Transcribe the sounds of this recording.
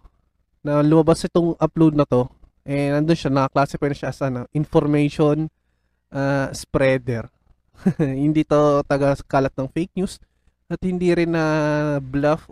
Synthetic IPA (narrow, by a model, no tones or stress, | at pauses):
nɐlʊmɐbasʔɪt̪oŋʔɐplowd̪̚nɐt̪o̞ʔɛnɐnd̪onʃanɐkɐklaːsɛpɛnɐʃaʔɐsɐnɐʔɪnfoɾmɛjʃon | ʔaːspɾɛːd̪ɛɾ | hɪnd̪iːt̪ot̪ɐɡɐkaːlɐt̪̚nɐŋfejk̚njus | ʔɐt̪̚hɪnd̪iɾɪnɐblɐf